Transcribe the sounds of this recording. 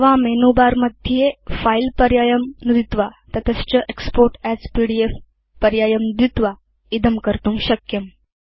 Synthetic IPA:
ʋamenubaɾməd̪ʱjjefailpəɾjajəmnud̪it̪ʋat̪ət̪ʰəst͡ɕəʔekspoɾʈæt͡spiɽief | pəɾjajəmnd̪it̪ʋa | id̪əmkəɾt̪ũːŋɕəkjəm

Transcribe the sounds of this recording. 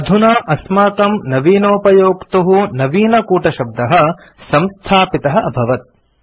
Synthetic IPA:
ɐd̪ʱunaːʔɐsmaːk̪ɐmnɐʋiːnoːpɐjoːkt̪uɦunɐʋiːnɐkuːʈɐʃɐb̚d̪ɐɦɐ | sɐ̃mst̪ʰaːpit̪ɐɦɐɐbʱɐʋɐt̪̚

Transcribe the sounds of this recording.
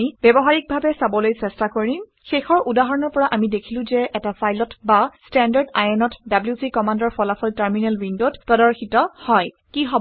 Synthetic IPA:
ibɛbɔɦaɹik̚bʱabɛsabɔlojsɛstakoɹim | xexɔɹʔudaɦɔɹɔnɔɹpɔɹaʔamidekʰilʊ̃zɛʔɛtafajlɔtbastɛndaɹda̰jɛnɔtdabljusikɔmandɔɹpɔlafʰɔltɛɹminɛlɹindotpɹɔdɔɹxitɔhɔj | kiɦɔb

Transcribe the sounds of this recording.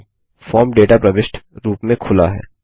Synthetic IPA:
fɔːɾmɖeːʈapɾɐʋɪʃʈɾuːpmẽkʰʊla̰ɦɛ̰ː

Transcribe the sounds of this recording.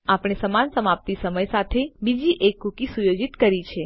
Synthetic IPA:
apɽ̃esəmansəmap̚t̪isəməjsat̪ʰebid͡ʒiʔekːukisujod͡ʒit̪kəɾit͡ʃʰe

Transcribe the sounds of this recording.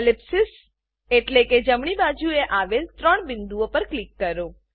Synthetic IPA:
lɪpsɪs | eʈleked͡ʒəmɳ̃ibad͡ʒueʔaʋelt̪ɾəɳ̃bɪnd̪uopəɾklikːəɾo

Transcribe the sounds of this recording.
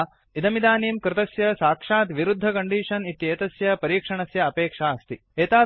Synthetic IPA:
id̪ɐmid̪aːniːmkɾɪt̪ɐsjɐsaːkʂaːt̪ʋiɾud̪ʱːɐkɐɳɖiːʂɐnit̪jeːt̪ɐsjɐpɐɾiːkʂɐɳɐsjɐːpeːkʂaːɐst̪i | eːt̪aː

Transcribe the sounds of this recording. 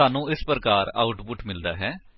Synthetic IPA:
aːnũːɪspɾəkaːɾa̰ːʊʈpʊʈmɪld̪aːɦɛː

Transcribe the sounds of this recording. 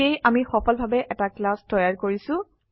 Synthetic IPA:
ejʔamixɔpʰɔlbʱabɛʔɛtaklastɔjaɹkoɹisʊ̃

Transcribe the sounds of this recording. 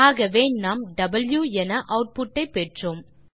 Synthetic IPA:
aːɣɐʋeːnaːmɖɐbɐljuːɛnɐʔɐʊʈ̚pʊʈːɐɪpːɛʈroːm

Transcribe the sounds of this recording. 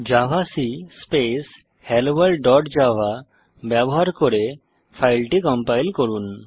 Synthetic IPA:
d͡ʒaʋasispes | hɛlbəlɖɖɔʈd͡ʒaʋ̤a | bjabɔɦaɾkɔɾe | pʰajlʈikɔmpajlkɔɾun

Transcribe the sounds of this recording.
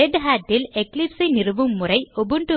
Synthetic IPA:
ɛɖɦaːʈːɪleklipsɐɪnɪrɯʋɯmːʊrɐɪɔbɯɳɖɯ

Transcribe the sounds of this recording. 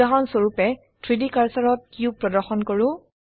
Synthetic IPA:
aɦɔnsoɹupɛ | tʰɹidikaɹsɔɹɔt̚kijʊ̃pɹɔdɔɹxɔnkɔɹʊ̃

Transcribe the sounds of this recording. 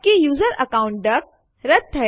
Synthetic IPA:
kejuːzəɾɐkaːʊ̃ɳʈ̚ɖɐk̚ | ɾɐt̪ʰːɛ

